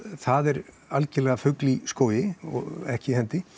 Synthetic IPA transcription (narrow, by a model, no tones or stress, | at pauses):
θaðɛɾ | alcɪlɛɣafʏkliskoːwjɪɔ̰ɣɛhcɪhɛnt̪ɪ